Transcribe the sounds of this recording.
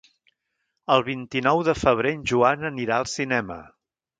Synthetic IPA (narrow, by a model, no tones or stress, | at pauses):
əlˠβint̪inɔwðəfəβ̞ɾeɲʒuanəniɾaəlˠsinɛmə̰